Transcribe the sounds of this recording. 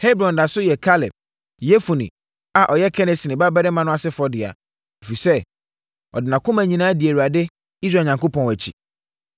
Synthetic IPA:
he˦bɾɔ̃˨nda˨sʊ˦jɛ˨kʰa˦lɛ˨b̚ | jɛ˦fu˨nĩ˨ | a˨ʔɔ˨jɛ˦kʰɛ˦nɛ˨si˨nɪ̃˨ba˦bɛ˦ɾɛ˦mã˦nʊ̃˦a˨sɪ˦fɔ˦dɪ˨a̰˨ | e˨fi˨sɛ˦ | ɔ̰˨dɪ˨nã˨kʰʊ̃˦mæ̃˨ɲĩ˨nã˦dɪ˨e˨ɾu˨a˨dɪ˦ | i˦sɾaː˨ɲã˨ŋko˦pʰɔ̃˨æ˨t͡ɕʰḭ˨

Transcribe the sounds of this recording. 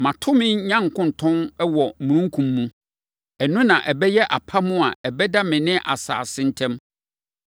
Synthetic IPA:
mã˨tʰʊ˦mɪ̃˦ɲã˦ŋ˨kʰʊ̃˦n̩˨tʰɔ̃˦nɛ˦wɔ˨mũ˨ɾũ˦ŋ˦kʰũ˨mːũ˦ | ɛ˨nʊ̃˦nã˨ʔɛ˨bɛ˦jɛ˦ʔa˨pʰa˦mʊ̃˦a˨ɛ˨bɛ˦da˦mɪ̃˨nɪ̃˦ʔa˨sa̰ː˨sɪ̃˦n̩˦tʰɛ̃˦m

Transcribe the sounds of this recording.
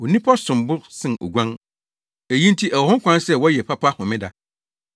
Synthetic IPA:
wɔ˨nĩ˦pʰɔ˦sʊ̃˨mbʊ˦sɪ̃˦no̰˨ɡʷã˦ŋ | æ˨jĩ˦n˦tʰi˦ʔæ˨wɔ˨hʊ̃˦ŋ˦kʷã˦nsɛ˦wɔ˦jɛ˨pʰa˦pʰa˦hʊ̃˨mɪ̃˦da˨

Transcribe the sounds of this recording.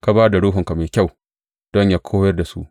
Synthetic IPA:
ka˦baː˦da˨ɽoː˦ɦʊ˨ŋka˨meː˨kʲa˦˨w | d̥ɔ˦ɲjaː˦kʰoː˦jɐ˦rda˨sṵ˦ʔ

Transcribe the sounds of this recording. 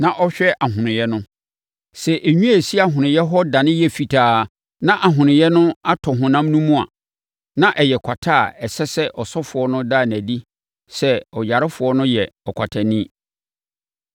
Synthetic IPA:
nã˨ʔɔ˦ɕᶣɛ˦ʔa˨ɦʊ̃˨nɪ̃˨jɛ˦nʊ̃˦ | sɛ˨ʔe˨ɲᶣũ˦æ˦˨si˦a˦˨ɦʊ̃˨nɪ̃˨jɛ˦ɦɔ˦dã˨nɪ̃˦jɛ˦fi˨tʰaː˨˦ | nã˦ʔa˨ɦʊ̃˨nɪ̃˨jɛ˦nʊ̃˦a˦tʰɔ˨ɦʊ̃˨nã˦m˦nũ˦mũ˦a̰˨ | nã˦ʔɛ˨jɛ˨kʷʰa˨tʰa˦˨ɛ˨sɛ˦sɛ˦ʔɔ˨sɔ˦fʊ˨ɔ˦nʊ̃˦daː˦˨n˨æ̃˨di˦ | sɛ˨ɔ˨ja˨ɾɪ˦fʊ˨ɔ˦nʊ̃˦jɛ˨ɔ˨kʷʰa˨tʰa˨nĩ˦

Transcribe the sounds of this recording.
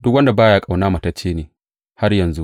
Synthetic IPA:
dʊ˦k̬̚wɐ˦nda˨baː˦jaː˦kʼa˨wnaː˦mɐ˨tɐ˦t͡ʃːeː˦neː˨ | ha˦rjɐ˨nzu˦ʔ

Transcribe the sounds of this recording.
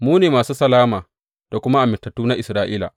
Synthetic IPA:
muː˦neː˨maː˨suː˦sɐ˨laː˦maː˨ | d̥a˨kʷʊ˦ma˦ʔa˨mɪ˨tːɐ˨tːuː˦na˦ʔɪ˨sɾaː˦ʔiː˦la̰˨

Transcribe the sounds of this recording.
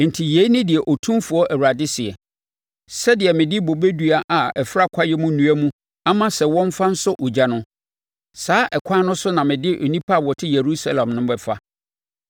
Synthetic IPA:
n̩˨tʰi˨je˨˦i˦nɪ̃˦dɪ˨ɛ˨ʔɔ˨tʰũ˦mfʊ˨ɔ˦ʔæ˨wɾa˨dɪ˦sɪ˨ɛ˨ | sɛ˦dɪ˨ɛ˨mɪ̃˨dɪ˦bo˨be˦du˦a˨ʔa˨ɛ˨fɾa˦kʷʰa˦jɛ˦mũ˦nũ˨˦æ˦mũ˦ | a˦mã˦˨sɛ˨wɔ̃˦m˦fa˦n̩˦sʊ˦ʔo˨d͡ʑa˨nʊ̃˦ | saː˦ʔɛ˨kʰʷã˦nʊ̃˦sʊ˦nã˨mɪ̃˨dɪ˦ʔo̰˨nĩ˦pʰa˦˨wɔ˨tʰɪ˦je˨ɾu˦sa˦lã˨mnʊ̃˦bɛ˦fa˦

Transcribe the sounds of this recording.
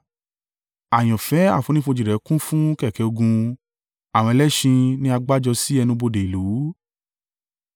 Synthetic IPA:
a˨j̃ɔ̃˨fɛ˨˦a̰˦˨fo˨˧nĩ˦fuõ˧d͡ʒi˨ɾɛ˨˦kũ˦fũ˦kɛ˦˨kɛ˧˦o˧ɡũ˧ | a˨w̃ɔ̃˧ɛ˧lɛ˦ʃĩ˧nĩ˦a˧ɡ͡ba˦d͡ʒɔ˧si˦ɛ˧nũ˧bo˧de˨i˨lu˨˦

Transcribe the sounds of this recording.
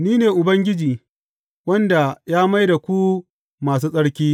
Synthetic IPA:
niː˦neː˨ʔʊ˨bɐ˦ŋɡʲɪ˦d͡ʒiː˨ | wɐ˦nda˨jaː˦ma˦jda˨kʷu˦ | maː˨s̬uː˦sʼɐ˦ɽkʲiː˦

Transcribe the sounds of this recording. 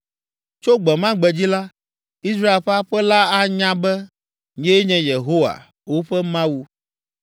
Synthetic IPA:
t͡ʃo˦ɡ͡bɛ˨mã˦ɡ͡bɛ˨d͡ʑi˦la˦ | i˦s̬ɾa˦e˨lɸɛ˦a˦ɸɛ˦la˦a˦ɲã˦bɛ˦ | ɲɛ̃˦ɲɛ̃˨je˨ɦo˦wa̰˨ | wo˦ɸɛ˦mã˦wu˨

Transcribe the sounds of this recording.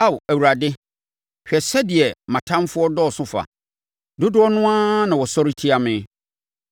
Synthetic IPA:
a˦˨wæ˨wu˨ɾa˨dɪ˦ | ɕᶣɛ˨sɛ˦dɪ˨ɛ˨mã˨tʰã˦mfʊ˦ɔ˦dɔ˦˨sʊ̃˦fa̰˨ | dʊ˦dʊ˦ɔ˦nʊ̃˦ã˦nã˨wɔ˨sɔ˦ɾi˦tʰi˦a˨mɪ̃˦

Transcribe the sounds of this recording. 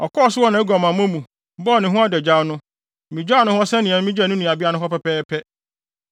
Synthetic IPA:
ɔ˨kʰɔː˦˨sʊ˦ɔ˦nã˨ɛ˦ɡʷa˨mã˨mã˦mũ˨˦ | bɔː˦˨nɪ̃˨ɦʊ̃˦a˦dɛ˨d͡ʑa˦nʊ̃˦˨ | mĩ˨d͡ʑᶣa˦nʊ̃˦hɔ˦sɛ˦nɪ̃˨ã˨˦mĩ˦d͡ʑᶣa˦˨nʊ̃˦nĩ˨a˨bɪ˦a˦nʊ̃˦ɦɔ˦pɛ˦pʰɛː˦pʰɛ˦

